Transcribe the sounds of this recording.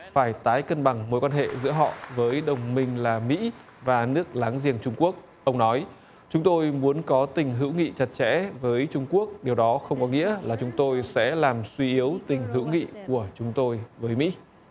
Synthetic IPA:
faː˧˩jt̪aː˨˦jkə˧nɓa˨˩ŋmo̰˨˥jkwaː˧nɦḛ˧˨zɨ̰˧˥əɦɔ̰˧˨vəː˨˦jɗə˨˩wŋ͡mmï˧ŋ̟laː˨˩mḭ˧˥ | vaː˨˩nɨ˦˥ək̚laː˨˦ŋzi˧˩ənt͡ɕʊ˧ŋ͡mku˦˥ək̚ | ʔə˧wŋ͡mnɔ˨˦j | t͡ɕʊ˨˦ŋ͡mt̪o˧jmu˨˦ənkɔ˨˦t̪ï˨˩ŋ̟ɦɨ̰˧˥wŋḭ˧˨t͡ɕa˨˩t̚t͡ɕɛ̰˧˥vəː˨˦jt͡ɕʊ˧ŋ͡mku˦˥ək̚ɗi˨˩əwɗɔ˨˦xə˧wŋ͡mkɔ˨˦ŋḭ˧˥əlaː˨˩t͡ɕʊ˨˦ŋ͡mt̪o˧jsɛ̰˧˥laː˨˩mswi˧ʔi˨˦əwt̪ï˨˩ŋ̟ɦɨ̰˧˥wŋḭ˧˨ku˧˩ət͡ɕʊ˨˦ŋ͡mt̪o˧jvəː˨˦jmḭ˧˥

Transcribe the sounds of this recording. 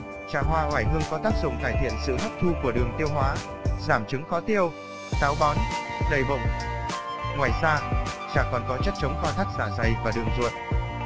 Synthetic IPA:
t͡ɕaː˧˩ɦwaː˧ʔwaː˧˩jɦɨ˧əŋkɔ˨˦t̪aː˦˥k̚zʊ̰˧˨ŋ͡mt̪aː˧˩jt̪ʰḭ˧˨ənsɨ̰˧˨hə˦˥p̚t̪ʰu˧ku˧˩əɗɨ˨˩əŋt̪i˧əwɦwaː˨˦ | zaː˧˩mt͡ɕɨ˨˦ŋxɔ˨˦t̪i˧əw | t̪aː˨˦wɓɔ˨˦nzə˨˩jvə̰˧˨wŋ͡m | ŋwaː˨˩jsaː˧t͡ɕa̰ː˧˨˩ŋkːɔ˨˩nkɔ˨˦t͡ɕa˦˥t̚t͡ɕə˨˦wŋ͡mkwaː˧t̪ʰa˦˥k̚zaː˧˩za˨˩jvaː˨˩ɗɨ˨˩əŋzṵ˧˨ən

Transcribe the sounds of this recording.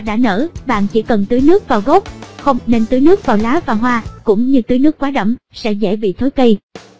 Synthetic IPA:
ɗa̰ː˧˥nə̰ː˧˩ɓa̰ː˧˨nt͡ɕi˧˩kə˨˩nt̪ɨ˨˦jnɨ˦˥ək̚vaː˨˩wɣo˦˥p̚xə˧wŋ͡mne˧nt̪ɨ˨˦nɨ˦˥ək̚vaː˨˩wlaː˨˦vaː˨˩ɦwaː˧kʊ̰˧˥ŋ͡mɲɨ˧t̪ɨ˨˦jnɨ˦˥kwaː˨˦˥ɗə̰˧˩ŋ͡msɛ̰˧˥zɛ̰˧˥ɓḭ˧˨t̪ʰoː˨˦jkə˧j

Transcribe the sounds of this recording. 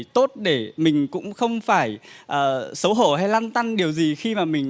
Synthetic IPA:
t̪o˦˥t̚ɗe˧˩mï˨˩ŋ̟kʊ̰˧˥ŋ͡mxə˧wŋ͡mfaː˧˩jʔəː˨˩sə˨˦wɦo̰˧˩ɦa˧jlaː˧nt̪a˧nɗi˨˩əwzi˨˩xi˧maː˨˩mï˨˩ŋ̟

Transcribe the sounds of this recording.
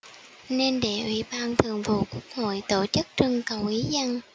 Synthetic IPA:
ne˧nɗe˧˩ʔwḭ˧˥ɓaː˧nt̪ʰɨ˨˩əŋvṵ˧˨ku˦˥ək̚ho̰˧˨jt̪o˧˩t͡ɕɨ˦˥k̚t͡ɕɨ˧əŋkə˨wʔi˨˦zə˧ŋ

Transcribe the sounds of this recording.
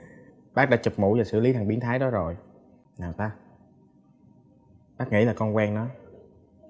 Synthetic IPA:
ɓaː˦˥k̚ɗa̰˧˥t͡ɕə˨˩p̚mṵ˧˨˥zaː˨˩sɨ̰˧˨li˨˦t̪ʰa˨˩ŋɓi˨˦ənt̪ʰaː˨˦jɗɔ˨˦zo˨˩j | naː˨˩wt̪aː˧ | ɓaː˦˥k̚ŋḭ˧˥laː˨˩kɔ˧nkwɛː˧ŋnɔ˨˦j

